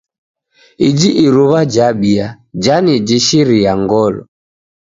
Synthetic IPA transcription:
id͡ʒiʔiɾuβad͡ʒaɓia | d͡ʒanid͡ʒiʃiɾiaŋɡɔlɔ̰

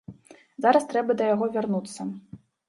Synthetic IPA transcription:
zaɾɐst̪ɾɛbɐd̪ɐjaɣɔvʲarnut̪sːɐ

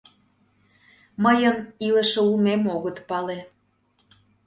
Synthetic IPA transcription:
məjənilə̆ʃĕulmemoɣət̪pɑle

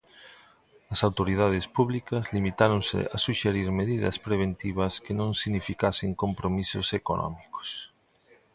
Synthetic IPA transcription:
ɐsawt̪oɾiðað̞ɪspuβlikɐzlimit̪aɾõŋsɪ̰asuʃeɾiɾmeðiðɐ̰spɾeβ̞ent̪iβ̞ɐskenõŋsiɣnifikaseŋkompɾomiso̰sekonɔ̰miko̥s

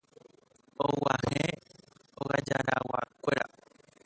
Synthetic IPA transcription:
owahe | oɣad͡ʒaɾawakʷeɾa

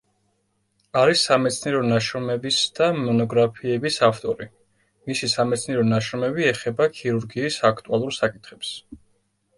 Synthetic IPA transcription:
aɾisːamɛt̪sʰniɛɾɔnaʃɾɔmɛbisd̪̥amɔnɔɡɾapʰiɛbisaft̪ʼɔɾi | misisamɛt̪sʰniɛɾɔnaʃɾɔmɛbiɛχɛbakʰiɾuɾɡiːsak̚ʰt̪ʼualˠuɾsakʼit̪ʰχɛps

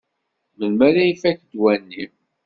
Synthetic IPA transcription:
məlmæɾæjifækd̪wænːim

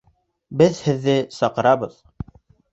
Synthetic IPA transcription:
bɘðhɘ̆ðːɘsɑqɤ̆ɾɑβɤð

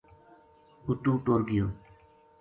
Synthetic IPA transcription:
ut̪uːʈoːɾɡijoː

